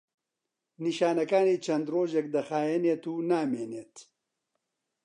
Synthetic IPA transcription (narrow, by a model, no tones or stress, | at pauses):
niʃaːnɐkaːniːt͡ʃʰɐnd̪roːʒek̚d̪ɐxaːjɛneːt̪uːnaːmeːneːt̪